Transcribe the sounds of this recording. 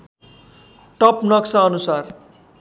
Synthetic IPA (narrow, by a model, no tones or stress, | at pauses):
ʈʌpnʌksaːnusar